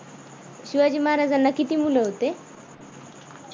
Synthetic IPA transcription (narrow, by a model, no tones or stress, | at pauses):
ɕiʋad͡ʑiːmaɦaɾad͡zanːakit̪imuləɦot̪e